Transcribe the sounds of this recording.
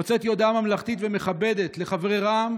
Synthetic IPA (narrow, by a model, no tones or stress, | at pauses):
ot͡set̪jo̞d̪amamlaχt̪it̪veme̞χabe̞d̪e̞t̪le̞χavʁeʁam